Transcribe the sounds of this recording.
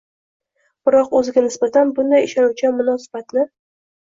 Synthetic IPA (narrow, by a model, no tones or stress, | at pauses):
b̥ɪɾɒqɵzɪɡʲanɪsbat̪ʰanbʊnd̪ajɪʃɒnuwt͡ʃʰɪmʊnɒsɪ̥bat̪lɪ